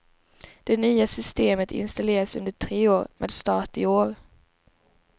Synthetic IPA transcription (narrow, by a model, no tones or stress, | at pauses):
d̪̥ɛnyːasʏst̪eːmət̪ʰɪ̰nst̪aleːɾasɵ̰nd̪əʈʰɾeːoːɾmʔḛːd̪st̪ɑːʈɪoːɾ